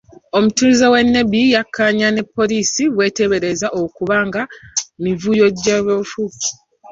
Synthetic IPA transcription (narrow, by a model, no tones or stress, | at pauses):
o̞mutuzewe̞nːe̞bijakʰːaɲane̞pːo̞liːsiβwe̞ːte̞βe̞ɾe̞zaʔokuβaːŋɡamivujo̞ɟːaβofu